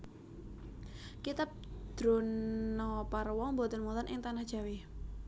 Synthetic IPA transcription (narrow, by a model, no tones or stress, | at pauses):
kit̪ap̚d̪̥ɾo̤nɔparwɔŋmbot̪ənmulanʔɪŋt̪anahd̥ʒ̥a̤wi